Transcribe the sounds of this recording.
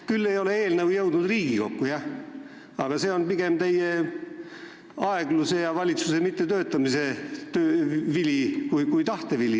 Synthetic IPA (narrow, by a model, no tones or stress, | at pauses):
kylːe̞jo̞le̞eːlnəwjɤwd̪nud̪riːɡ̥iko̞kːujɑ | ɑɡ̥ɑse̞ːo̞npiɡ̥emt̪ejːe | ɑe̞ɡ̥luse̞jɑvɑlʲit̪suse̞mit̪ːe̞t̪øːt̪ːˑɑmise̞t̪øːvilʲikujkujt̪ɑht̪e̞vilʲi